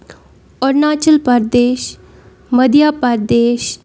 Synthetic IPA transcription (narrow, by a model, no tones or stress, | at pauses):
ɔɾnaːt͡ʃəlpəɾd̪eːʃ | məd̪ʱjaːpəɾd̪eːʃ